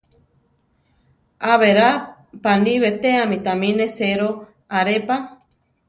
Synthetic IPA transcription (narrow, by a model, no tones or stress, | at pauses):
aβeɾapaniβet̪eamit̪amĩneseɾo | aɾepa